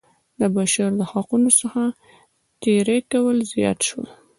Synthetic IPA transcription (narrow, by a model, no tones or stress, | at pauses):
d̪əbaʃaɾd̪əhɑqunosəxa | t̪eɾekawəlzjɑ̰t̪ʃwəl